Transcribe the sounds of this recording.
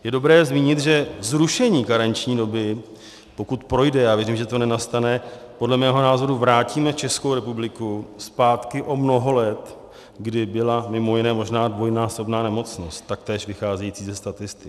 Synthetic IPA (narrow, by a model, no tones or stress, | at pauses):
jɛdo̞bɾɛːzmiːɲɪt̪ʒɛzɾuʃɛɲiːkaɾaɲt͡ʃɲiːdo̞bɪ | po̞kut̪pɾo̞jdɛjaːvjɛɾimʒɛt̪o̞nɛnast̪anɛ | po̞dlɛmɛːɦo̞naːzo̞ɾuvɾaːciːmɛt͡ʃɛskowɾɛpublɪkuspaːt̪kɪʔo̞mno̞ɦo̞lɛt̪ | ɡdɪbɪlamɪmo̞jɪnɛːmo̞ʒnaːdvo̞jnaːso̞bnaːnɛmo̞t͡sno̞st̪t̪ːak̚t̪ɛːʃvɪxaːzɛjiːt͡siːzɛst̪at̪ɪst̪ɪk